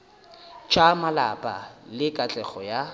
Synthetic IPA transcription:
t͡ʃʼamala̰pʼa̰lɪkʼat͡ɬʼɛχɔja

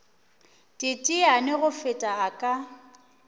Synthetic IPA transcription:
tʼɪtʼianɪɣʊfɪtʼaːkʼa

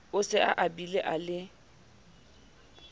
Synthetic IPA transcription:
ʊsɪʔa̰ʔabileʔalɪ

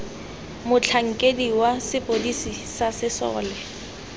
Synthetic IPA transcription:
mʊt͡ɬʰaŋ̩kʼediwasɪpʼodisisasɪsɔ̰ːlɛ

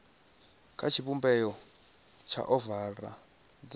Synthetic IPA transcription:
kʰat͡ʃʰiβumbɛjɔ | t͡ʃʰa̰ʔɔvara̰ | d͡z

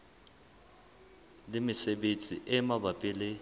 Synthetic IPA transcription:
lɪmɪsebet͡sʼiʔɛmabapʼɪlɪ

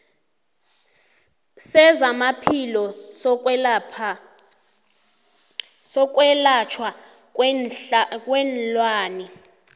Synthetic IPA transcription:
sɛzamapʰilɔ | pʰ | sɔk̬ʼwɛlat͡ʃʰwa | kʼwɛnlwaːni

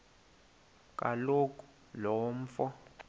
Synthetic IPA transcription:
kʼalokʼu̥ | lɔm̩fɔ

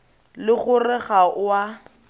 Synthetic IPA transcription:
lɪɣʊrɪχaʊa

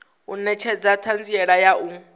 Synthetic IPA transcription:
unɛt͡ʃʰɛd͡zatʰand͡ziɛɺajau

